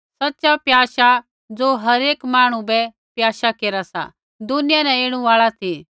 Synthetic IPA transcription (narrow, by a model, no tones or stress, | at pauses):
sɐtːʃapjaːʃa | d͡zoːɦɐɾeːkmaːɽ̃ũbɛ | pjaːʃakeːɾasa̰ | d̪ʊnɪjanɛ̃eːɽ̃ũaːɭat̪ʰi